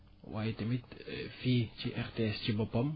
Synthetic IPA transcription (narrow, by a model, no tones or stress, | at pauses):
wait̪ɛmit̪fit͡ʃiʔɛrt̪eɛst͡ʃibɔpɔm